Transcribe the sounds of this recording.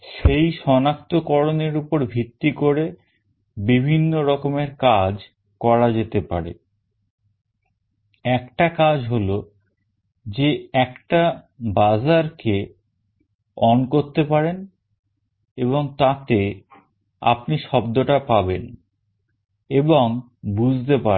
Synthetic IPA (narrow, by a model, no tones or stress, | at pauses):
ʃejʃɔnakt̪okɔɾoneɾupoɾbʱit̪ːikoɾe | bibʱinːoɾɔkomeɾkad͡ʑ | kɔɾad͡ʑet̪epa̰ɾḛ | ɛkʈakad͡ʑɦolo | d͡ʑeɛkʈa | bad͡ʑaɾke | ɔnkoɾt̪epaɾen | eβoŋt̪at̪e | a̰pniʃɔbd̪oʈapaben | eboŋ | bud͡ʑʱt̪epa